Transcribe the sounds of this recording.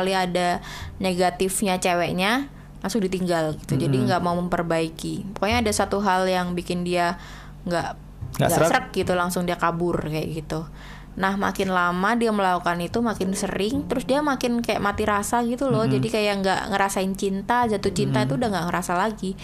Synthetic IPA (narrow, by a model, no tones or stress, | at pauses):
kaliadaneɡat̪ɪfɲat͡ʃewɛʔɲa | laŋsʊŋdit̪iŋɡalɡit̪ud͡ʒadiŋɡaʔmauməmpərbaikipɔkaɲaːdasat̪uɦaljaŋbikɪndia | ŋɡaʔ | ɡaŋɡasəɾək̚ɡit̪ulaŋsʊŋdiakabʊrkaja̰ʔɡit̪u | nahma̰kɪnlamadiaməlaukanit̪umakɪnsə̰ɾɪŋt̪əɾʊsdiamakɪnkaja̰ʔmat̪iɾasaɡit̪ulɔd͡ʒadikajaʔŋɡa̰ʔŋəɾasaɪnt͡ʃint̪azat̪ut͡ʃint̪ait̪udaŋɡaʔŋəɾasalaɡi